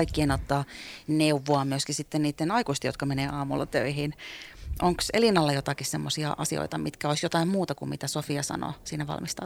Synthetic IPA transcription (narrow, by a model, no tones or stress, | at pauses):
ikːienot̪ːɑːneuʋːoɑmyøskisit̪ːenniːt̪ːenɑikuist̪ejo̰t̪kɑmeneːʔɑːmṵlːɑ̰t̪ø̰ihinʔoŋksḛlinɑlːɑjot̪ɑkissemːosiɑ̰ʔɑsio̰it̪ɑmit̪kæoisjot̪ɑimmuːt̪ɑkummit̪æsofiɑsɑ̰no̰ːsiːnæʋɑ̰lmist̪ɑ̰